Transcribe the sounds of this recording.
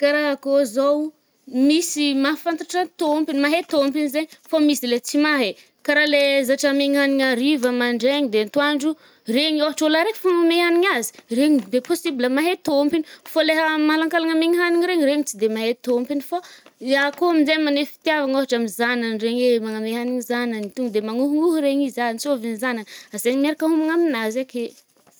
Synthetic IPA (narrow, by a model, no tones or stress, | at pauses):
kaɾaɦakozow | misimafant̪aʈ͡ʂant̪ompinimaɦet̪ompinizeɲfamisilet͡simaɦe | kaɾalezaʈ͡ʂameŋɦaniɲaɾivəmaɳɖ͡ʐeɲid̪ent̪uaɳɖ͡ʐu | reɲoɦaʈ͡ʂolaɾekfamameaniɲazi̥reɲid̪eposibiləmaɦet̪ompinifoleɦəmaalaŋkalaŋameŋiɦaniŋiɾeɲiɾeɲit͡sid̪emaɦet̪ompinifaakoaminzemanefi̥t̪iavaŋoɦaʈ͡ʂamizananreɲemaŋameɦaniŋizananit̪uŋɡd̪emaŋuɦuŋuɦuɾeɲizant͡sovinzanaazenimaɾakaɦumaŋaminazake̥